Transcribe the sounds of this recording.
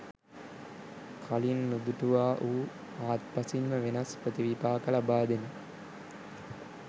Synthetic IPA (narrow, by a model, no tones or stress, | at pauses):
kʰalinːud̪uʈuʋaːʔuː | aːt̪̚pasimːəʋenɐsprət̪iʋipaːkəlabaːd̪eni